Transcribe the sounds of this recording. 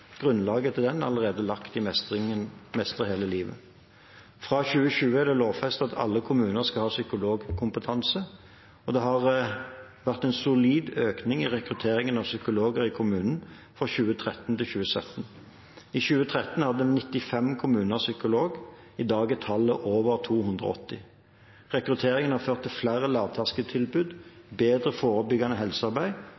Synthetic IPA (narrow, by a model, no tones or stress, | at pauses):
ɡ̥ʁʉnlɑːɡət̪ʰɪld̪ɛnɑləʁeːd̪əlɑkt̪ɪmɛsɪəmɛst̪əʁheːləliːʋə̰ | fʁɑçʉːəɕʉːəæd̪ɛloːʋfɛst̪ɑt̪ʰɑ̰lːəkʰʊmʉːnəʁskɑhɑːsʏkʊloːɡkʰʊmpət̪ʰɑnsə | ɔd̪ɛɦɑʁ | ʋæʁt̪ɛnsʊliːd̪øːknɪŋɪʁɛkʁʉt̪ʰeːʁɪŋənɑʋsʏkʊloːɡəʁɪkʰʊmʉːnn̩ | fʁɔçʉːət̪ʰʁɛt̪nt̪ɪlçʉːəsœt̪n̩ | içʉːət̪ʰʁɛt̪nhɑd̪əənɪt̪ːɪfɛmkʰʊmʉːnəʁsʏkʊloːɡ | ɪd̪ɑːɡət̪ʰɑlːəʔoːʋəʁt̪ʰuːhʉnd̪ʁə̰ɔ̰t̪ːɪ | ʁɛkʁʉt̪ʰeːʁɪŋənhɑføːʁt̪ʰːɪlflæːɾəlɑːʋt̪ʰæʁskət̪ʰɪlbʉd̪ | beːd̪ʁəfoːʁəbʏɡɑnəɦɛlsəɑʁbæɪ